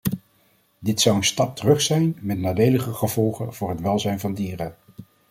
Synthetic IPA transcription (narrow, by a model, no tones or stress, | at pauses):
dɪtsʌwənstɑp̚tərɵχsɛjnmɛtnaːdejləχəχəvɔlˠχənv̥ʊːɹɦətʋɛlˠzɛjnvɑndiːrə